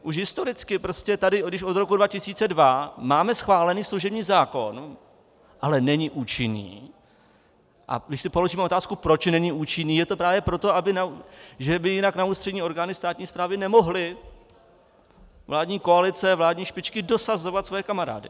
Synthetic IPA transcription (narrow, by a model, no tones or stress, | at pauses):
ʔuʃ̬ɦɪst̪o̞ɾɪt͡skɪpɾo̞scɛt̪adɪɡdɪʃʔo̞d̪ɾo̞kudvacɪsiːt͡sɛdvamaːmɛsxvaːlɛniːsluʒɛbɲiːzaːko̞n | ʔalɛnɛɲɪʔuːt͡ʃɪnḭː | ʔa̰ɡdɪʃsɪpo̞lo̞ʒiːmɛoot̪aːskupɾo̞t͡ʃnɛɲɪʔuːt͡ʃɪniːjɛt̪o̞pɾaːvjɛpɾo̞t̪o̞abɪnauʒɛbɪjɪnaknauːst̪r̥ɛdɲiːo̞ɾɡaːnɪst̪aːt̪ɲiːspɾaːvɪnɛmo̞ɦlɪ | vlaːdɲiːko̞alɪt͡sɛvlaːdɲiːʃpɪt͡ʃkɪdo̞sazo̞vat̪svojɛkamaɾa̰ːdɪ̰